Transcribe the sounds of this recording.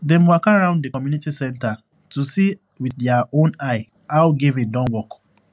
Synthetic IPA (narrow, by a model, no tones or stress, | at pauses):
dɛ̃mwɔkaɹãʊ̃nddekɔmjunitisɛ̃nta | tusi | wiθdɛaõnaɪ | aʊɡivĩndɔ̃nwɔk